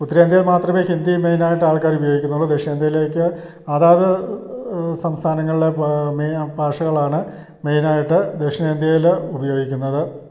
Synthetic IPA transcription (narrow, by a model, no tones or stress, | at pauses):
ut̪ːɐɾeːnd̪jːlmaːt̪rɐmeːhind̪imejnaːjiʈːɨaːɭkaːɾubɐjo̞ːɡikʲːunːuɭːɐd̪eʂeːnd̪jɐjileːkʲːɨ | ɐðaːðɨ | sɐmst̪ʰaːnɐŋːɐɭiɖe̞mebʱaːʂɐɣɐɭaːɳɨ | mejnaːjiʈːɨd̪eʂɐneːnd̪ʱjɐjilubɐjo̞ːɡikʲːunːɐðɨ